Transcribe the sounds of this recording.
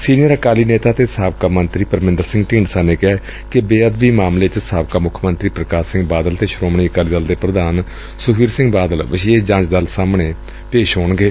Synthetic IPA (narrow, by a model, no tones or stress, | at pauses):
siːnijəɾəkaːliːneːt̪aːt̪eːsaːbkaːmənt̪ɾiːpəɾmɪ̃nd̪əɾsɪ̃ŋɡʈiːɳɖsaːneːkɪaː | kɪbeːəd̪biːmaːmleːt͡ʃsaːbkaːmʊkʰmənt̪ɾiːpɾəkaːsɪ̃ŋɡbaːd̪əlt̪eːʃɾoːmɳiːəkaːliːd̪əld̪eːpɾəd̪aːn | sʊkʰiːɾsɪ̃ŋɡbaːd̪əlʋəʃied͡ʒãːɲt͡ʃd̪əlsaːmɳeː | peːʃɦoːɳɡeː